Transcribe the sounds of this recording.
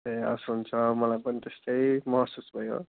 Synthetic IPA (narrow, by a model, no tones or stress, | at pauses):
eʌ̰suɦunt͡sʰʌmʌlajpʌnit̪est̪ʌjmʌɦsusbʱʌjo̰